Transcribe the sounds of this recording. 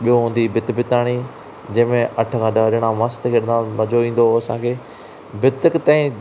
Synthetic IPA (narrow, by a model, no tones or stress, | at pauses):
ɓijoɦũːn̆d̪ibɪt̪bɪt̪aːɽ̃i | d͡ʑɐ̃ɦmẽʔɐʈʰəkʰãːɖaɗɪɽ̃ãʋãːst̪kʰeːɗɪ̃nd̪ãmɐd͡ʑoĩːn̆d̪oɐsãkʰeː | bɪt̪ɪkt̪ãːĩ